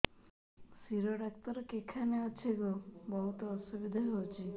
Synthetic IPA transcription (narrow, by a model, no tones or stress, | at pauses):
siɾoɖak̚t̪ɔɾɔkekʰaneat͡ʃʰekubɔɦut̪ɔɔsubid̪ʱaɦowt͡ʃʰi